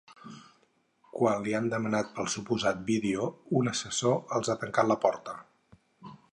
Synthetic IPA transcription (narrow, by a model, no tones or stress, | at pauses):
kwanliand̪əmənat̪̚pəlˠsupuzat̪̚biðeounəsəsoəlˠzat̪əŋkat̪ləpɔɾt̪ə